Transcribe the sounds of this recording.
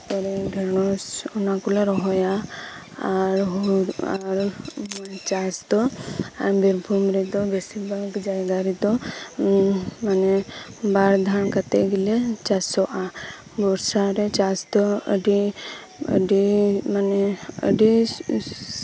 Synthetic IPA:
tɔɾɛɖʱɛɾnɔsɔnakɔlɛɾɔɦɔja | aɾɦuaɾ | t͡ʃasd̪ɔa̰ɾbiɾbʱumɾɛd̪ɔbʱɛsibalɡd͡ʒajɡaɾid̪ɔ | manɛbaɾd̪ʱankat̪ɛ̰ɡilɛt͡ʃasɔʔa | bɔɾsaɾɛt͡ʃasd̪ɔə̰ɖi | ə̰ɖimanɛə̰ɖi

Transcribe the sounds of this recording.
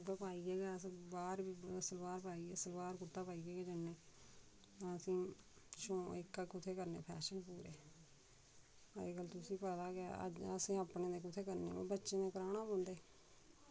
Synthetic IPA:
ɡəpaːiːɡeːɡaːsbaːɾbiːəsəlbaːɾpaːiːsəlbaːɾkʊt̪aːpaːiːɡeːɡeːd͡ʒənːeː | t̪ãːəsĩː | ʃõːɪkːakʊt̪ʰeːkəɾnḛːpʰɛːʃənpuːɾḛː | eːkəlt̪ʊsĩːpəd̪aːkɪa̰ə̰d͡ʒəsĩːəːpɳeːd̪eːkʊt̪ʰeːkəɾnḛːo̰bətːʃeːnẽːkəɾaːnãːpõːnd̪eː

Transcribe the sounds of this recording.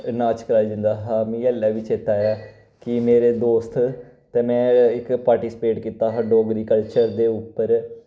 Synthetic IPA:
naːt͡ʃkəɾaːd͡ʒɪ̃nd̪aːɦaːmĩːɛːlːaːʋɪt͡ʃɪt̪aːjaː | kɪmeːɾeːd̪oːst̪ | t̪eːmɛ̃ːɪkpaːɾʈiːsɪ̥peːʈkiːt̪aːɦəɖoːɡɾiːkəlt͡ʃəɾd̪eːʊpːəɾ

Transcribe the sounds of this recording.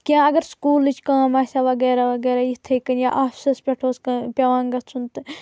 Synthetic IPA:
kʲãːɐɡɐɾskuːlɨt͡ʃʰkãːmaːsʲaːʋɐɡɛːɾaːʋɐɡeːɾaːjit̪ʰejkɐnjaʔaːfsɐspʲɐʈʰoːskɐpʲɐʋãːŋɡɐsʰunt̪ɨ

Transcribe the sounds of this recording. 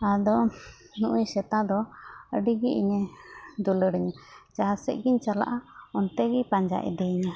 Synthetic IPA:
ad̪ɔ | nuʔujsɛt̪ad̪ɔəɖiɡiʔiɲɛd̪uləɽiɲat͡ʃaasɛ̰ʔ̚ɡiɲt͡ʃala̰ʔaɔnt̪ɛɡipaɲd͡ʒa̰ʔɛ̰d̪ɛiɲa

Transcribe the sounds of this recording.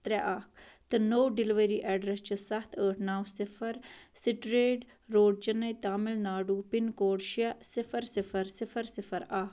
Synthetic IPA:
t̪ɾɛʔaːkt̪ɨnowɖɪliʋəɾiːʔɛːɖɾɐst͡ʃʰisɐt̪ʰəːʈʰnaːwsɪfʰɐɾsiʈɾeːɖ | ɾoːɖt͡ʃɐnɐjt̪aːmɪlnaːɖuːpinkoːɖʃijasɪfʰɐɾsɪfʰɐɾsɪfʰɐɾsɪfʰɐɾaːk

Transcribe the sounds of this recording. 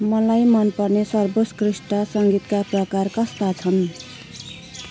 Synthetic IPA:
mʌlajmʌnpʌrnesʌrboskrisʈʌsʌŋɡit̪kaprʌkarkʌst̪at͡sʰʌn

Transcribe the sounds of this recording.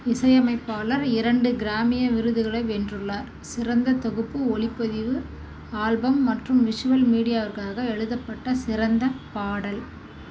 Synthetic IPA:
ɪsɐjɐmɐɪpːaːɭɐɾɪɾɐɳɖɯɡɪɾaːmɪjɐʋɪɾɯðɯɣɐɭɐɪʋɛndrɯɭːaːɾ | sɪrɐnd̪ɐt̪ɔɣɯpːɯɔɭɪpːɐðɪʋɯ | aːlbɐmːɐʈrɯmʋɪʂɯʋɐlmiːɽɪjaːʋɐɾɣɐaːɣɐɛɻɯðɐpːɐʈːɐsɪɾɐnd̪ɐpaːɽɐl

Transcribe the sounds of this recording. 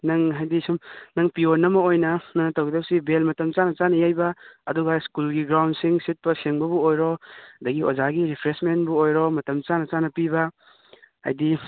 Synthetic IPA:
nɐŋɦajdisumnɐŋpionːɐmɐojnɐnɐnɐtɐwɡid̪ɐpsibelmɐtɐmt͡ʃanɐt͡ʃanɐjajbɐːduɡaskulɡiɡɾawnsiŋsit̚pɐseŋbɐbuojɾɔdɐɡiozaɡiɾipʰɾesmenbuojɾɔmɐtɐmt͡ʃanɐt͡ʃanɐpibɐ | a̰jdi

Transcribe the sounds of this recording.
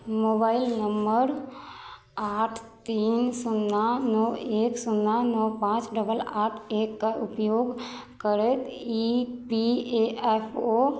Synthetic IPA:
mobaɪlnəmbəɾ | aʈʰt̪iːnsʊnːanoeksʊnːanopãt͡ʃɖəbəlaːʈʰekːaʊpjoɡkəɾet̪ipieepʰo

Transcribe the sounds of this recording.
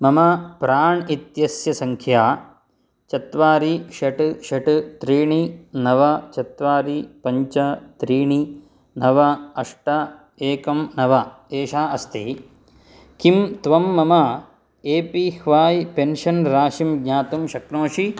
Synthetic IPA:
mɐmɐpɾaːɳit̪jɐsjɐsɐŋkʰjaː | t͡ʃɐt̪ʋaːɾiʃɐʈʃɐʈt̪ɾiːɳinɐʋɐt͡ʃɐt̪ʋaːɾipɐɲt͡ʃɐt̪ɾiːɳi | nɐʋɐɐʂʈɐ | eːkɐmnɐʋɐ | eːʃaːɐst̪ḭ | kimt̪ʋɐmːɐmɐ | eːpihʋaːjpenʃɐnɾaːʃimɡɲaːt̪umʃɐknoːʃi

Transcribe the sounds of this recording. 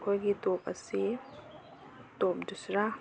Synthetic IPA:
kʰojɡidop̚ɐ̰si | dop̚dusɾa

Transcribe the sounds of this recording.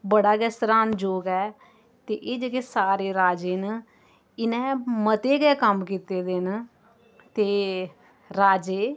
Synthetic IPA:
bəɽaːɡɛːsɾaːnd͡ʒoːɡɛː | t̪eːʔeːd͡ʒeɡeːsaːɾeːɾaːd͡ʒeːn | ɪnɛ̃ːmət̪eːɡɛːkəmkiːt̪eːd̪en | t̪eː | ɾaːd͡ʒeː

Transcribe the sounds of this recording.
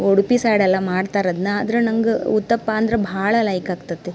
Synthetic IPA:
oɽupisaːɽɛlːɐmaːɽt̪aːɾɐd̪nɐaːd̪ɐɾenɐŋɡeut̪ːɐpːaːnd̪ɾebʱaːɭɐlɐjkaːɡt̪ɐt̪ːe

